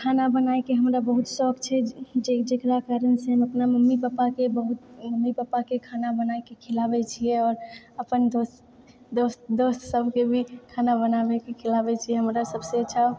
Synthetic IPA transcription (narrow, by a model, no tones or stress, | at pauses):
kʰanabənaekeɦəmɾabəɦut̪sɔkt͡ʃʰɛd͡ʒed͡ʒekɾakaɾənseɦəməpnaməmːipapakebəɦut̪̚məmːipapakekʰanabənaikekʰelabɛt͡ʃʰiɛɔːɾəpənd̪os | d̪ost̪d̪ost̪səbʱkebʱikʰanabənabɛkekʰelabɛt͡ʃʰijɛɦəmɾasəbset͡ʃʰa